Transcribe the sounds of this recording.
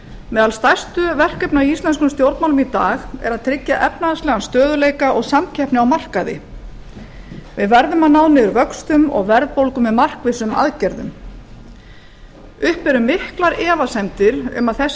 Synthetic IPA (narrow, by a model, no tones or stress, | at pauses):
mɛːðalst̪ajst̪ʏvɛr̥kɛpnaiist̪lɛnskʏmst̪jowɾt̪mawlʏmit̪aːxɛ̰ɾaðt̪ʰɾɪcːaʔɛpnaðaslɛːɣanst̪œːðʏleːjkaʔɔɣsamcʰɛhpnɪawmar̥kaðɪ̰ | vɪðvɛɾðʏmaðnaːwnɪʏɾvœkst̪ʏmɔ̰ɣvɛɾðpowlkʏmvɛðmar̥kvɪsʏma̰ðcɛɾðʏ̰m | ʏhpɛɾʏmːɪhklaɾɛːvasɛmt̪ɪɾʏ̰maðθɛs